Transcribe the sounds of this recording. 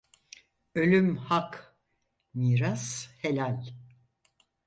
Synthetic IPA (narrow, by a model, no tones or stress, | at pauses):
ø̞lʲymhak | miːɾashe̞lʲalʲ